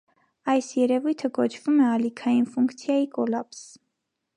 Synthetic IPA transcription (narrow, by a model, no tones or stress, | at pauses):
ɑjsjɛɾɛvujt̪ʰəkɔt͡ʃʰvumɛɑlikʰɑjinfuŋkt͡sʰjɑjikɔlɑps